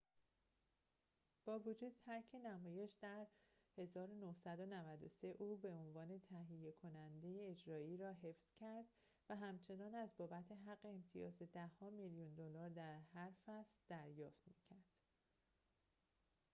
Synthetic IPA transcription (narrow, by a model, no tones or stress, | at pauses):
b̥ɒːvod͡ʒuːd̪t̪ʰæɾcʰe̞næmɒːje̞ʃd̪æɾhe̞zɒːɾo̞nohsæd̪o̞nævæd̪o̞̰se̞ʔuːbe̞onvɒːne̞t̪ʰæɦije̞kʰo̞nænd̪e̞jeːd͡ʒɾɒːiːɾɒːɦe̞fz̥cʰæɾd̪ | væɦæmt͡ʃʰe̞nɒːnæzbɒːbæt̪ʰe̞ɦæɣːe̞ːmt̪ʰijɒ̰ːzed̪æhɒːmiljund̪olɒːɾd̪æɾɦæɾfæsld̪̥æɾjɒːft̪micʰæɾd̪̥